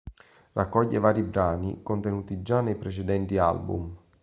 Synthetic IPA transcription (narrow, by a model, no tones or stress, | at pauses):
rʔakːɔʎːevaːɾibɾaːnḭkont̪enuːt̪id͡ʒanːejpɾet͡ʃed̪ɛnt̪ia̰lbṵm